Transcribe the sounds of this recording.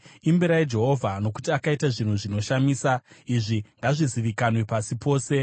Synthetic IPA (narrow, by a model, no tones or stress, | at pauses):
imbiɾaid͡ʒe̞ɦo̞vʱano̞ku̥tiakaitaʐin̤uʐino̞ʃamiːsaiʐiŋɡaʐiziʋikanwepasipo̞ːse̞